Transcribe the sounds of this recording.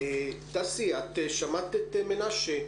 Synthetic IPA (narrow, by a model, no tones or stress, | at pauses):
et̪asiat̪ːeʃamat̪ːet̪ːemenaʃe